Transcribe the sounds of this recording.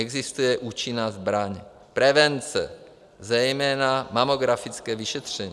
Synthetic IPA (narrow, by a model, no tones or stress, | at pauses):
ɛɡzɪst̪ujɛʔuːt͡ʃɪnaːzbɾaɲ | pɾɛvɛnt͡sɛ̰ | zɛjmɛːnamamoɡɾafɪt͡skɛːvɪʃɛt̪r̝̥ɛɲ